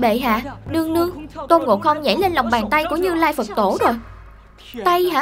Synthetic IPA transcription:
ɓḛ˧˨ɦa̰ː˧˨ɗɨ˧əŋnɨ˧əŋt̪o˧nŋo̰˧˨˩xə˧wŋ͡mza̰˧˩˦jle˧nla˨˩wŋ͡mɓaː˨˩nt̪a˧jku˧˩əɲɨ˧laː˧jfə˨˩t̚t̪o˧˩˦zo˨˩j | t̪a˧jha̰ː˧˥

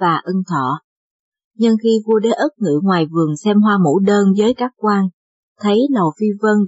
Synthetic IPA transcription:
vaː˨˩ʔə˧ŋt̪ʰɔ̰˧˨ | ɲɨ˧ŋxi˧vu˧əɗe˨˦ʔə˦˥t̚ŋɨ̰˧˨ŋwaː˨˩jvɨ˨˩əŋsɛ˧mɦwaː˧mṵ˧˥ɗəː˧nzəː˨˦jkaː˦˥k̚kwaː˧n | t̪ʰə˨˦jlə˨˩wfi˧və˧n

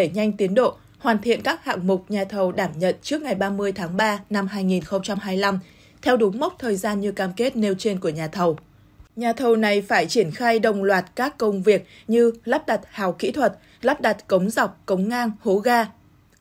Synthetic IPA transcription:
ɗe˧˩ɲa˧jŋ̟t̪i˨˦ənɗo̰˧˨ | hwaː˨˩nt̪ʰḭ˧˨ənkaː˦˥k̚ha̰ː˧˨ŋmʊ˨˩k͡p̚ɲaː˨˩t̪ʰə˨˩wɗaː˧˩mɲə̰˧˨nt͡ɕɨ˦˥ək̚ŋa˨˩jɓaː˧mɨ˧əjt̪ʰaː˨˦ŋɓaː˧na˧mɦaː˧jŋi˨˩nxə˧wŋ͡mt͡ɕa˧mɦaː˧jla˧m | t̪ʰɛ˧wɗʊ˨˦ŋ͡mmə˦˥k͡p̚t̪ʰəː˨˩jzaː˧nɲɨ˧kaː˧mke˦˥t̚ne˧wt͡ɕe˧nku˧˩əɲaː˨˩t̪ʰə˨˩w | ɲaː˨˩t̪ʰə˨˩wna˨˩jfaː˧˩jt͡ɕi˧˩ənxaː˧jɗə˨˩wŋ͡mlwaː˨˩t̚kaː˦˥kːə˧wŋ͡mvi˨˩ək̚ | ɲɨ˧la˦˥p̚ɗa˨˩t̚haː˨˩wkḭ˧˥t̪ʰwə˨˩t̚ | la˦˥p̚ɗa˨˩t̚kə˨˦wŋ͡mza˨˩wk͡p̚kə˨˦wŋ͡mŋaː˧nho˨˦ɣaː˧

